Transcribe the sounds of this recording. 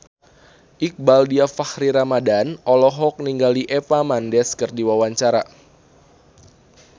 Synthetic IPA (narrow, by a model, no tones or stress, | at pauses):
ʔik̚baldiafahɾiɾamadanʔɔlɔɦɔk̚niŋɡaliʔepamandɛskərdiwawaɲt͡ʃaɾa